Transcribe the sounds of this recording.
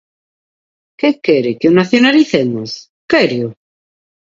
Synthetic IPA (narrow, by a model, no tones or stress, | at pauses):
kekɛɾɪkonaθjonaliθenʊs | kɛɾio